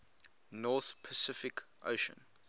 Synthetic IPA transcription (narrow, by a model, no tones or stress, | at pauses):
nɔˑθpʰəsɪfɪkʰʔo̰ʊʃə̰̃n